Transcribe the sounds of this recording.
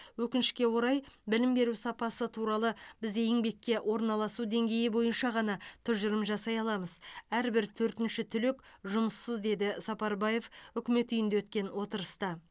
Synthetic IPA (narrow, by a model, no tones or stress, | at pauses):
wɵkʲɪnɪʃkʲe̞wo̞ɾɑjbɪlɪmbe̞ɾusɑpɑsət̪ʰuɾɑlˠəbɪzejɪŋbe̞kʲːe̞wʔo̞ɾnɑlˠɑsud̪e̞ŋɡʲe̞jɪbo̞jənʃɑʁɑnɑt̪ʰʏɾʒʊɾəmʒɑsɑjɑlˠɑməzæɾbɪɾt̪ʰɵɾt̪ɪnʃɪt̪ʰʏlɪkʒʊməsːəzd̪e̞d̪ɪsɑpɑɾbɑje̞fʏkʲɪme̞t̪ʏjɪnd̪ewɵt̪̚kʲe̞nwo̞t̪əɾəst̪ɑ